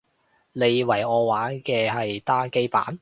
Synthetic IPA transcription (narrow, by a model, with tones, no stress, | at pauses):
le˨˧jwɐ˨˩jɔː˨˧waː˨˥kɛː˧ɦɐ˨jt̪aː˥ke˥jpa̰ː˨˥n